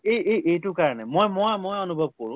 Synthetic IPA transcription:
ejejʔejtʊkaɹɔnɛmojmɔamojɔnubʱɔb̚kɔɹʊ̃

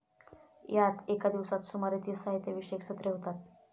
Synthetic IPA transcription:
jat̪ekad̪iʋsat̪sumaɾet̪iːsaɦit̪jeʋiːɕekɕət̪ɾeɦot̪at̪̚

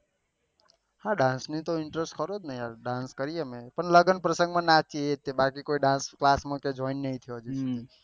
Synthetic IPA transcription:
hãɖãnsnĩt̪oɪɳʈɾesʈkəɾod̪nəiaɾɖãnskəɾijemẽpəɳləɡənpɾəsə̃ŋɡmãnat͡ʃiet̪ːebakikoiɖãnsklasmẽked͡ʒɔɪnːəɦĩt̪ʰijod͡ʒest̪i

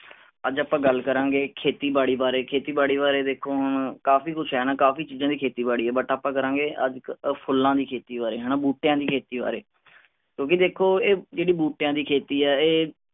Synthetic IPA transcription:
əd͡ʒaːpãːɡəlkəɾãːɡeːkʰeːt̪iːbaːɽiːbaːɾeːkʰeːt̪iːbaːɽiːbaːɾeːd̪eːkʰoːɦnkaːfiːkʊt͡ʃʰɦɛːnaːkaːfiːt͡ʃiːzãːd̪iːkʰeːt̪iːbaːɽiːɛːbəʈaːpãːkəɾãːɡeːʔə̰d͡ʒpʰʊlːãːd̪iːkʰeːt̪iːbaːɾeːɦɛːnaːbuːʈjãːd̪iːkʰeːt̪iːba̰ːɾḛː | kjõːkɪd̪eːkʰːoːeːd͡ʒeːɽiːbuːʈjãːd̪iːkʰeːt̪iːɛːeː

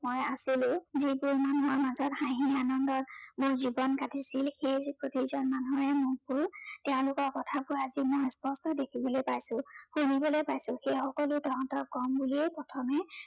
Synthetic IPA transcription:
mojasilʊ̃zibuɹmanuɦɔɹmazɔthãɦianɔndɔt̚mʊɹzibɔnkatʰisilxejzpɹotizɔnmanɔɹɛmʊɹbʊɹteʊ̃lʊkɔɹkɔtʰabʊɹazimɔjspɔstɔdekʰibɔlojpajsʊ̃xunibɔlojpajsʊ̃xejxɔkɔlʊtɔ̃tɔkɔmbuliepɹɔtʰɔmɛ

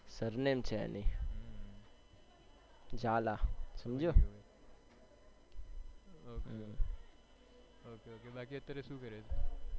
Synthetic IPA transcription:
səɾneːmt͡ʃʰeɛ̰ni | d͡ʒaːlasəmd͡ʒoː | okeoːkebaːkiət̪ːəɾeʃũːkəɾeːd͡ʒ

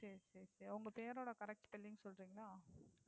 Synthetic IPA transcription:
sɐɾisɐɾisɛɾɐʋʊŋɡɐpeːɾoːɽɐkɐɾɛk̚ʈpɛlːɪŋɡsɔlɾiːŋɡɐɭaː

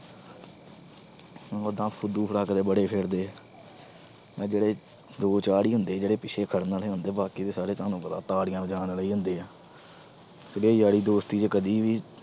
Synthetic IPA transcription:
oːd̪ãːpʰʊd̪uːpʰəɽaːkd̪eːbəɽeːpʰeːɾd̪eː | ɛ̃ːd͡ʒeːɽeː | d̪oːt͡ʃaːɽiːɦʊnd̪eːd͡ʒeːɽeːpɪʃʰeːkʰəɽnaːleːɦʊnd̪eːbaːkiːd̪eːsaːɾeːt̪ãːnũːpəɾa̰ːt̪aːɽɪjãːʋəd͡ʒaːnləiːɦʊnd̪eːɛː | səɡeːiːd͡ʒaːɽiːd̪oːst̪iːd͡ʒeːkəd̪iːʋiː

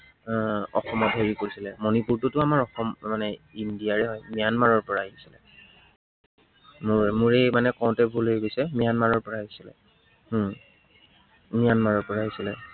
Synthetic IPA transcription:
ɔ̰xɔmɔtɦeɹikoɹisilɛmonipuɹtʊtʊamaɹɔxɔmmanɛindijaɹɛɦɔjmijanmaɹɔɹpɔɹaisilɛ̰ | mʊɹmʊɹemanɛkɔw̃tɛbʱulɦeɡojsɛmijanmaɹɔɹpɔɹaɦisilɛ̰ | mijanmaɹɔɹpɔɹaɦisilɛ̰

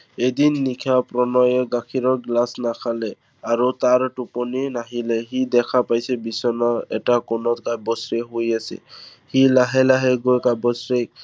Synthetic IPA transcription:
ed̪inːikʰapɾɔnɔjɛɡakʰiɹɔɹɡlasnakʰalɛ | aɹut̪aɹʈupɔninaɦilɛɦid̪ɛkʰapajsɛbisɔnɔɛ̰takɔnɔtkabɔsɹeɦojasɛ̰hilaɦɛlaɦɛɡojkabɔsɹe

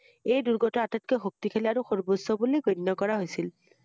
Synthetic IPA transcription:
ejduɹɡɔtɔatat̚kɛxok̚tikʰeliaɹuxoɹbosɔbulejɡonːɔkɔɹaɦojsil

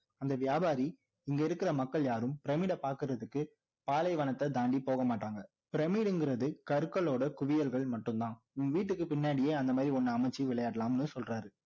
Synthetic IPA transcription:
ɐnd̪ɐʋɪjaːbaːɾi | ɪŋɡɐɪɾɯkːɪɾɐmɐkːɐɭjaːɾɯmpɪɾɐmiːɽɐpaːɾkɯɾɐðɯkːɯ | paːlɐɪʋɐnɐt̪ːɐd̪aːɳɖipoːɣɐmaːʈːaːŋɡɐ | pɪɾɐmiːɽɯŋɡɪɾɐðɯkɐɾɯkːɐɭoːɽɐkʊʋɪjɐlɣɐɭmɐʈːɯmt̪ãː | ʊŋɐʋiːʈːɯkːɯpɪnːaːɽɪjeːɐnd̪ɐmaːd̪ɾiɔnːɐɐmɐɪt͡ʃːiʋɪɭɐjaːɽɐlaːmnːɯsɔlraːɾɯ

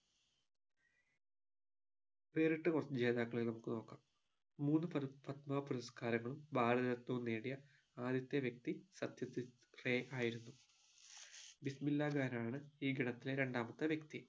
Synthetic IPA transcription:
ʋe̞ːriʈːɨkorsd͡ʑe̞ːd̪aːkːɐɭelnɐmukːɨno̞ːkːaːmː | uːnːɨpɐɾfɐt̪maːpuɾɐskaːɾɐŋːɐɭumbaːɽɐðɐɾɐt̪ːuunːeːɽijɐ | aːd̪jɐt̪ːeʋjek̚t̪isɐd̪jɐt̪ːi | re̞ːʔaːjiɾunːu | bismilːaːɡaːnaːɳɨiːɡiɽɐt̪ːileɾe̞ɳɖaːmɐt̪ːɨʋjekt̪i

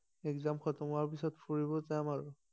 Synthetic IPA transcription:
ɛkzamkʰɔtɔmaɹpisɔtfuɹibɔzamaɹ

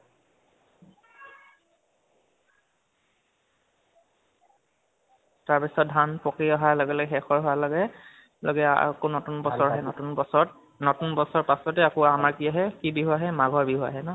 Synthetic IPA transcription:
taɹpisɔt̚dʱanpɔkiaɦalɔɡɛlɔɡɛxɛxɔɹɦɔalɔɡɛ | lɔɡɛ̰konɔtunbɔsɔɹaɦɛnɔtunbɔsɔɔt̚ | nɔtunbɔsɔɹpasɔtɛakoamaɹkiaɦɛkibiɦuaɦɛmaɡʱɔɹbiɦua̰ɦɛnɔ

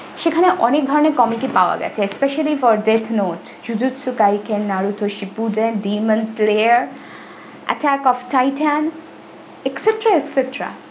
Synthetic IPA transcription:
ʃekʰaneʔɔnek̚d̪ʱɔɾoneɾkɔmikipaoa̰ɡɛ̰t͡ɕʰeːspeʃalifɔɾɖet̪ʰnot | d͡ʑud̪ut̪sukajkʰenːaɾut̪ʰoʃipudenɖimənsleəɾ | ʔa̰ʈækɔfʈajʈan | ekseʈɾaekseʈɾa̰

